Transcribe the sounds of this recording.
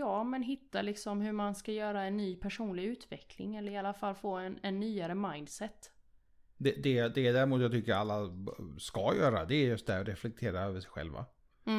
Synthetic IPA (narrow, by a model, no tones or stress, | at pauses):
jɑːmɛnɦɪt̪ːalɪksɔmɦɵmanskajœːɾaɛnːyːpʰæʂuːnlɪɡʉ̟ːt̪vɛkʰlɪ̰ŋɛlːəɾɪalafalːfoːɛnɛnːyːaɾəmajnd̪sɛt̪ː | d̪ɛd̪ɛd̪ɛːd̪æɾɪmuːt̪jaɡ̚t̪ʏkːəɾalːaskajœ̰ːɾa̰d̪ɛːɾjɵst̪̚d̪æɾɔɾɛflɛk̚t̪ʰeːɾaøːvəʂɛjɧɛ̰lva̰